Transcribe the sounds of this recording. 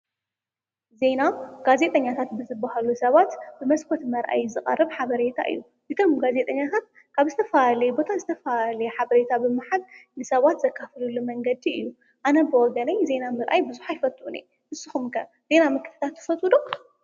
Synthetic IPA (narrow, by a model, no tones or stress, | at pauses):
ze̞naɡaze̞t̪ʼɐɲːat̪ʰat̪bɨzɨbːahalusɐβat̪bɨmɐskʰɔt̪mɐɾʔa̰jzɨχʼɐ̰rːɨβħaβɐɾe̞t̪ʰa̰ʔɨ̰jːu | ʔɨt̪ʰo̞mɡaze̞t̪ʼɐɲːat̪ʰat̪̚ | kʰaβzɨt̪ʰɐfalɐjebo̞t̪ʰazɨt̪ʰɐfalɐjeħaβɐɾe̞t̪ʰabɨmaħad̚nɨsɐβat̪zɐkʰːaflulːumɐŋɡɐd̪iɨjːu | ʔanɐbɨwɔɡɐnajze̞namɨɾʔa̰jbɨzuħajfɐt̪ʼʔunḛ | hɨsɨxumkʰɐ | ze̞namɨkʰɨ̥t̪ʰɨ̥t̪ʰat̪ʰːɨ̥fɐt̪ʼud̪o